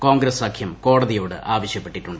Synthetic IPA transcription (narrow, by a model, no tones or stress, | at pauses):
koːŋɡɾɐsakʰjɐmko̞ːɽɐðijo̞ːɽɨ̰ʔaːʋɐɕjɐpːe̞ʈːiʈːuɳɖɨ